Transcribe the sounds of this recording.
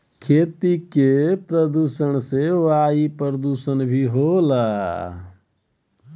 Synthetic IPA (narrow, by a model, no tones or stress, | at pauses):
kʰeːt̪ikepɾəd̪uːsəñseʋaːipəɾəd̪usənbʱiɦola